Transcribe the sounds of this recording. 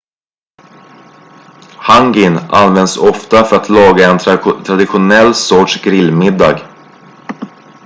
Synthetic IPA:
haŋɡɪna̰nvɛnd̪sɔft̪afœɾat̪lɑːɡaɛnt̪ʰɾad̪ɪɧʊnɛlːsɔʈʂɡɾɪlːmɪd̪ːɑ̰ːɡ

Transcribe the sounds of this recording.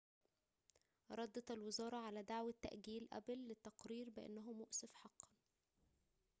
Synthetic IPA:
ɾˤɑd̪ːɑt̪ælwɪzɑːɾˤɑʕalæːd̪aʕwæt̪ːæ̰ʔɡiːlʔæ̰blːɪt̪ːɑqɾiːɾbɪʔḛnːæɦʊmʊʔsɪfħɑqːɑn

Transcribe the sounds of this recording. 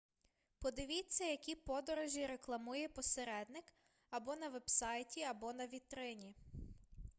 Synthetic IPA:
pɔd̪ɪʋʲit͡sʲːɐjɐkʲipɔd̪ɔɾɔʒʲiɾeklˠɐmujɛpɔseɾɛd̪nɪk | ɐbɔnɐʋɛbsɑjtʲiɐbɔnɐʋʲit̪ɾɪnʲi

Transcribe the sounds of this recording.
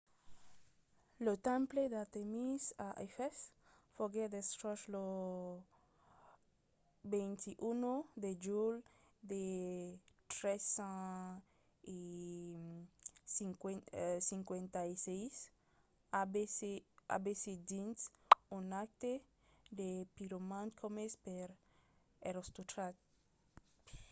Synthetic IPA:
lot̪ãmpled̪at̪emisaʔefɛs | foɡed̪est̪ɾoʃlo | bẽjnt̪iʔunod̪ed͡ʒul | d̪e | t̪ɾesã | i | ikesiŋkwẽnt̪ajsejs | abesea̰besid͡ʒinsunak̚t̪e | d̪epiɾomãnkʰomespeɾ | eɾost̪ut̪ɾat̪̚

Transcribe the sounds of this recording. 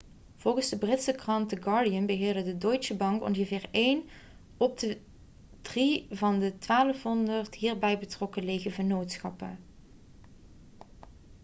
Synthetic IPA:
v̥ɔlˠχənzdəbrɪtsəkrɑntəɡɑːɹdiənbəɦɪːɹdədədoɥtsəbɑŋkɔ̰nχəvɪːɹejn | ɔb̚də | d̥rivɑndətʋaːləfɦɔndəɹtɦiːɹbɛjbətrɔkəlejɣəvənowtsxɑ̰pə̰

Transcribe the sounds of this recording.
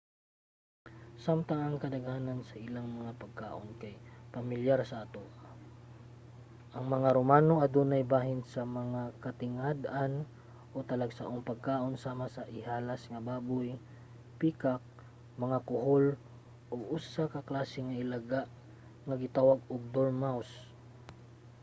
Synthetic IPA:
samt̪ɐŋɐŋkɐd̪ɐɡaːnansɐʔɪlaŋmɐŋapɐɡ̚ka̰ːʔonkajpɐmɪljaɾsɐʔat̪o | ʔɐŋmɐŋaɾomaːnoʔɐd̪uːnajbaːɦɪnsɐmɐŋakɐt̪ɪŋad̪an | ʔo̞t̪ɐlaɡsa̰ʔoŋpɐɡ̚kaːʔo̞nsaːmasɐʔɪhaːlasŋɐbaːbʊj | piːkak̚ | mɐŋakʊɦol | ʔoʔusakɐklaːsɪŋɐʔɪlaɡaʔ | ŋɐɡɪt̪aːwaɡoɡ̚d̪oɾmaws

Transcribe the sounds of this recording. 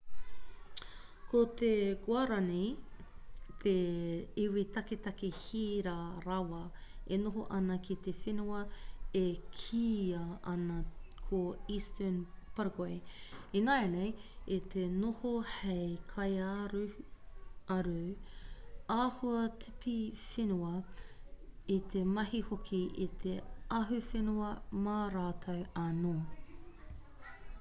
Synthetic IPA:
kot̪eɡwaɾɐni | t̪ʰeiwit̪ɐket̪ɐkehiːɾaɾɐwɐenoɦoʔɐnɐkit̪efinuɐekʰiːɐʔɐnɐkʰoistənpɐɾɡoeinajnejit̪ʰenohohejkʰɐjaɾu | ɐɾu | aːhuɐtʰipifenuɐ | it̪ʰemɐɦihokʰiʔit̪ʰeɐɦʉfenuɐmaːɾaːtʰɐwɐnoː

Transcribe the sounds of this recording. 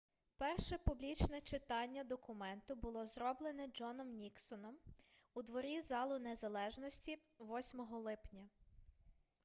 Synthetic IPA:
pɛrʃɛpublʲit͡ʃnɛt͡ʃɪt̪ɑnʲːɐd̪ɔkʊmɛnt̪ʊbʊlˠɔzɾɔblˠenɛd͡ʒɔnɔmnʲiksɔnɔmud̪ʋɔɾʲizɑlˠʊnezɐlˠɛʒnɔsʲtʲiʋɔsʲmɔɦɔlˠɪpnʲɐ

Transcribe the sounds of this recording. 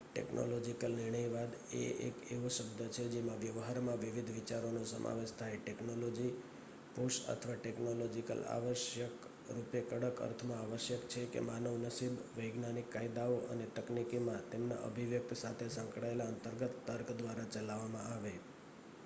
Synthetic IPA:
ʈḛkno̰lod͡ʒikəlnɪɾɳ̃əjʋad̪ḛḛkḛʋuʃəbd̪ʱət͡ʃʰed͡ʒemãʋjəʋɦaɾmãʋiʋid̪ʱʋit͡ʃaɾonosəmʔa̰ʋeʃt̪ʰajʈeknolod͡ʒi | puʃə̰t̪ʰəʋaʈeknolod͡ʒikə̰la̰ʋəʃjək | ɾupjekəɽəkə̰ɾt̪ʰmãaʋəʃjəkt͡ʃʰekḛmanəʋnəsibʋəjɡnanikːaid̪aoʔə̰net̪əknikimãt̪emna̰ʔə̰bʱiʋjək̚t̪ʰsat̪ʰesə̃ŋkɽaelaənt̪əɾɡət̪ːəɾkd̪ʋaɾat͡ʃəlaʋamãaʋe

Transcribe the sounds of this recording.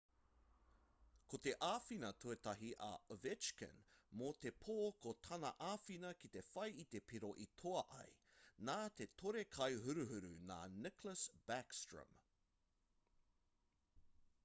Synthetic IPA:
kot̪e̞ʔaːfinɐt̪ʰuet̪ɐɦiʔɐ̰vɪt͡ʃkə̰̃nmot̪e̞pʰoːkot̪ʰɐnɐ̰ʔaːfinɐkit̪efɐjit̪e̞pʰiɾoʔit̪ʰoɐʔɐ̰jnaːt̪e̞t̪ʰoɾekʰɐjɦʉɾʉɦʉɾʉna̰ːnɪkləsb̥ækstɹə̰m

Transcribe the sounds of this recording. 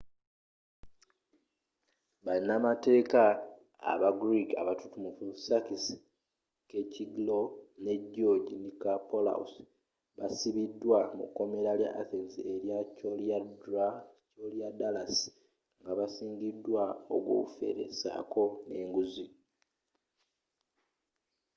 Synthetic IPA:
βalinamate̞ːka | a̰βaɡɾika̰βatutumufusakis | keciɡlo̞ne̞ɟːo̞ɟinikapola̰ṵs | βasiβidːwamṵkːo̞me̞ɾalja̰ʔːθenzieɾjacoljadɾacolijadalas | ŋɡaβasiːɲɟidːwao̰ɡwo̰kufe̞̰ɾe̞̰sa̰kʰo̞ne̞ːŋɡuzi

